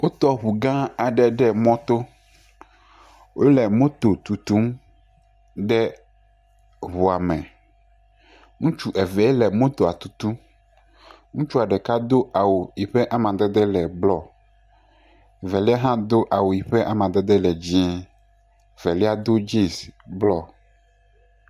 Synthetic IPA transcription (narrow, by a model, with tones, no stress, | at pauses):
wo˦t̪ɔ˦ɸu˨ɡã˦a˨ɖɛ˨ɖɛ˦mɔ̃˦t̪o˦ | wo˦lɛ˨mõ˦t̪o˨t̪u˨t̪u˦m | ɖ̪ɛ˦ | βu˨a˨mɛ̃˨ | ŋũ˦t͡ʃu˦ʔɛ˨vɛ˨˦e˦lɛ˨mõ˦t̪o˨a˨t̪u˨t̪u˦ | ŋũ˦t͡ʃu˦a˨ɖɛ˨ka˦d̪o˦ʔa˨wo˨ji˨ɸɛ˦ʔa˦mã˨d̪ɛ˦d̪ɛ˦lɛ˨blɔ˦ | vɛ˨li˦a˦ɦã˦d̪o˦ʔa˨wo˨ji˨ɸɛ˦ʔa˦mã˨d̪ɛ˦d̪ɛ˦lɛ˨d͡ʑĩ˦ɛ˨ | vɛ˨li˦a˦d̪o˦d͡ʒe˦˨sblɔ˦